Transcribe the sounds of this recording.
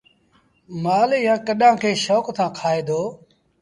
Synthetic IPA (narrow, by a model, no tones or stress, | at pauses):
maːljãːkəɗãːkʰeːʃɔːkt̪ãːkʰaːeːd̪oː